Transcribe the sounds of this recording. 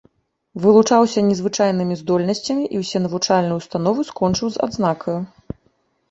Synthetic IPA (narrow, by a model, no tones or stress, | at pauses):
vɨlˠut͡ʂawsʲɐnʲɛzvɨt͡ʂajn̪ɨmʲizd̪ɔlʲnɐsʲt͡sʲɐmʲiʔiwsʲɛnɐvut͡ʂalʲnɨjuwst̪an̪ɔvɨskɔnt͡ʂɨwza̰d̪znakʰɐju